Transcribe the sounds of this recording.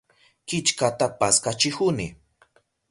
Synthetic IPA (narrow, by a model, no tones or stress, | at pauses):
kɪt͡ʃkat̪apaskat͡ʃɪhʊnɪ